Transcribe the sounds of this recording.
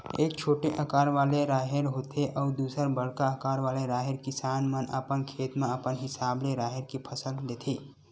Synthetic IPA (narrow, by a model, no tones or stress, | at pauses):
eːk̚t͡ʃʰoːʈeʔəkaːɾʋaːleɾaːɦeɾɦoːt̪ʰeʔɔːɾd̪uːsəɾbəɽkaəkaːɾʋaːleɾaːɦɪɾkɪsaːnmənəpənkʰeːt̪mẽəpənɦɪsaːbleɾaːɦɪɾkipʰəsəld̪eːt̪ʰeː